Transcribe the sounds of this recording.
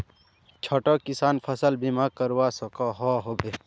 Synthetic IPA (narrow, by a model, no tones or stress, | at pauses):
t͡ʃʰoʈokisaːnpʰɐsəlbimaːkəɾwaːsokaɦoːɦobe